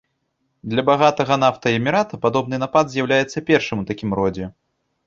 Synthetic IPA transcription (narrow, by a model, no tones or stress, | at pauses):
d̪lʲɐbaɣat̪ɐɣɐn̪aft̪ɐɛmʲiɾat̪ɐpad̪ɔbnɨnapad̪zʲjawlʲajɛt̪sːɐpʲɛrʂɨmut̪akʲimɾɔd͡zʲɛ